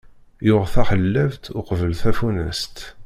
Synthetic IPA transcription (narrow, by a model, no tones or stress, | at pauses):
jʊʁθæχəlːævt̪ʊqvəlθæfunə̰st̪